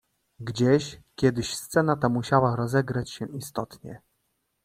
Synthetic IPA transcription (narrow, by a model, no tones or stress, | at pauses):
ɡd͡ʑeɕkʲjɛd̪ɘɕst̪sɛnat̪amuɕawaɾɔzɛɡɾat͡ɕɕɛʔist̪ɔt̪ɲɛ̰